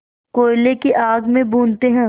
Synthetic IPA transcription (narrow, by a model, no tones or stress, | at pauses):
koːɪlekeʔaːɡmẽbʱuːnt̪eɦɛ̃ː